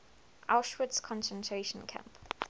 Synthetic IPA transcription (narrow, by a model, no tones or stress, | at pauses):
ʔaʊʃwədskʰɔ̃nsə̃ntʰɹ̥eʃə̃nkʰã̰mp